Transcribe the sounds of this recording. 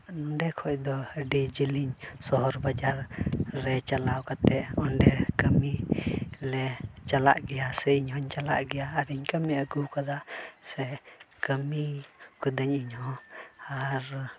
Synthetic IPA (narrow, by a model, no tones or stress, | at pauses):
nɔɳɖɛkʰɔʔ̚d̪ɔɖid͡ʒiliɲsɔɦɔɾbad͡ʒaɾːɛt͡ʃalawkat̪ɛʔɔɳɖɛkəmi | lɛt͡ʃalaʔɡɛjasɛiɲɦɔɲt͡ʃala̰ʔɡɛjaːɾiɲkəmɛəɡukad̪asɛkəmikɔd̪əɲiɲhɔ̃aɾ